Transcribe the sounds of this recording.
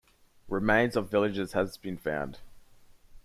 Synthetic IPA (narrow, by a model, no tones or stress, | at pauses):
ɹɪmẽɪ̃nzəvɪlˠɪd͡ʒɪz̥əzb̥ĩnfã̰ʊ̃nd̥